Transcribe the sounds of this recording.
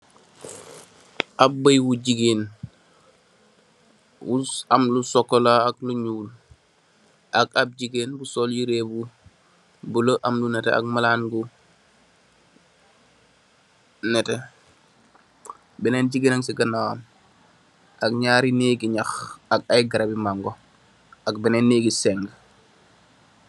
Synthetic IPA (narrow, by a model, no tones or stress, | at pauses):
ʔab̚bəjwuɟiɡen | wuamlusɔkːɔlaːkluɲuːl | ʔakab̚d͡ʒiɡeːnbusɔljiɾebu | buloʔamlunɛtɛ̰a̰k̚malaːnɡu | nɛtɛ | bɛnɛnɟiɡenaŋsiɡɐnawam | ʔak̚ɲaɾineːɡiɲaxakajɡɐɾabimaŋɡo | ak̚bɛnɛnːeːɡisɛŋɡ